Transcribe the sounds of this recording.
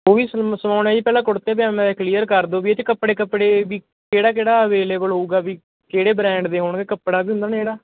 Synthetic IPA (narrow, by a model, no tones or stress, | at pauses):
ɦoːʋiːssəmaːʊnẽːiːpɛːlãːkʊɽt̪eːbɛmɛ̃ːd̪eːkliːəɾkəɾd̪oːbiːet͡ʃkəpːɽeːkəpːɽeːbiː | keːɽaːkeːɽaːəʋeːleːbəlɦoːuːɡaːʋiː | keːɽeːbɾɛ̃ːɳɖd̪eːɦʊɳɡeːkəpːɽaːbiːɦʊ̃nd̪aːneːɽaː